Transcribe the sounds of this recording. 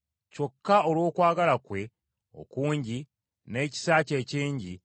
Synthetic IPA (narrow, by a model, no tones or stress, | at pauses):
co̞kːao̞lwo̞ːkwaːɡalakwe̞ | o̞̰kuːɲɟi | ne̞ːci̥saːce̞ːciːɲɟi